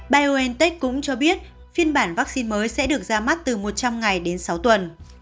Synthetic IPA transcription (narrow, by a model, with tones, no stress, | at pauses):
ɓaː˧jʔo˧ʔɛ˧nt̪ɛ˦˥k̚kʊ̰˧˥ŋ͡mt͡ɕɔ˧ɓi˦˥ət̚ | fi˧ənɓaː˧˩nvaː˦˥k̚si˧nməː˨˦jsɛ̰˧˥ɗɨ˨˩ək̚zaː˧ma˦˥t̚t̪ɨ˨˩mo˨˩t̚t͡ɕa˧mŋa˨˩jɗe˨˦nsa˨˦wt̪wə˨˩n